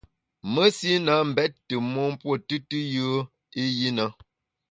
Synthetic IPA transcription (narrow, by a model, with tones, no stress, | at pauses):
mə˦si˦na˨˦m̩˨bɛ˦t̚tɨ˨mo˦m̩˦pwo˦˨tɨ˦tɨ˦jɨ˦ | i˦ji˦nə˦